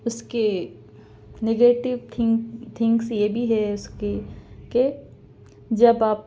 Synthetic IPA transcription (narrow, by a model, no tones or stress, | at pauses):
ʊske | neɡeːʈɪʋt̪ʰɪ̃ŋt̪ʰɪ̃ŋksjebʱiɦɛʊskeke | d͡ʒɐbaːp̚